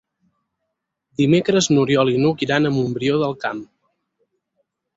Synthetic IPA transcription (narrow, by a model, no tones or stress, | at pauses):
d̪imekɾəznuɾiɔlinukiɾanəmumbɾioðəlˠkam